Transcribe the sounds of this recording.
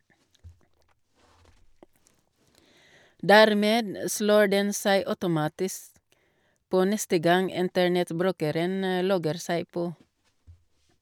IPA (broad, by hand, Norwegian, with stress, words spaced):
ˈdæːɾˌmeːd m ə ˈsloː ˈɖɛn ˈsæɪ ˈœʉtʊˌmɑːtɪsk ˈpoː ˈnɛstə ˈɡɑŋ ˈɪntəɳɛtˌbɾʉːkəɾən ə ˈlɔɡəɾ ˈsæɪ ˈpoː